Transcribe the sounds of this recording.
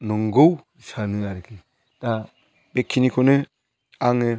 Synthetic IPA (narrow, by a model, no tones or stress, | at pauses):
nɔŋɡow | sanɯaɾɯkʰi | d̥a | bekʰːinikʰɔnɯ | aŋe